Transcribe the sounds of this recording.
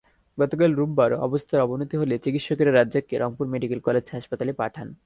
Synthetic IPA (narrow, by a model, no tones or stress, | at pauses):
ɡɔt̪okalɾubːaɾoɔ̰bost̪ʰaɾɔbonot̪iɦolet͡ɕikit̪ʃɔkeɾeɾadːekːeɾʔɔŋpuɾmeɖikelkɔled͡ʑɦaʃpat̪alepaʈʰan